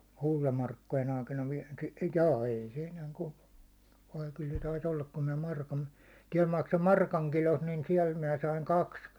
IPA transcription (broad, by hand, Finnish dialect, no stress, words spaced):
kultɑmɑrkːojen ɑikɑnɑ ʋie jɑː ei se enæːŋ kultɑ̥ ʋɑi kyl se tɑis olːɑk kun minæ mɑrkɑn tiɛl mɑkso mɑrkɑŋ kilost niːn siɛl min̆æ sɑiŋ kɑks